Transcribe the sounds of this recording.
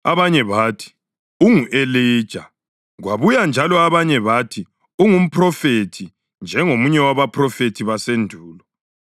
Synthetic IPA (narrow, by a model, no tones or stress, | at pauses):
aβaɲɛβaːtʰi̥ | uŋuʔeleːd̥ʒ̥ʱa | ɣwaβujand͡ʒʱalɔaβaɲɛβatʰi | uŋum̩pʰrɔfetʰi | nd͡ʒʱɛŋomuɲɛwaβapʰrɔfetʰiβasendʱuːlɔ